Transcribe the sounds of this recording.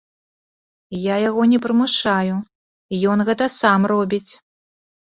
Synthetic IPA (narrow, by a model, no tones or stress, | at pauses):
jajaɣɔnʲɛpɾɨmɨʂaju | ijɔnɣɛt̪ɐsamrɔbʲit͡sʲ